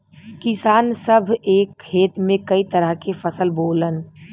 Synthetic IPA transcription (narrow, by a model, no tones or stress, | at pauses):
kɪsaːnsəbʱeːkʰːeːt̪mẽkəit̪əɾəɦkefʰəsəlboːlən